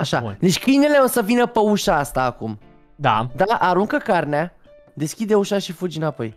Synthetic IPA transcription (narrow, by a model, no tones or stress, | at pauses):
aʃad̪e̞t͡ʃʲkɨjne̞le̞o̞səvinəpəuʃaast̪aːkum | d̪a̰d̪aʔaɾuŋkəkarnea | d̪e̞skʲid̪e̞uʃaʃifud͡ʒinapo̞̰j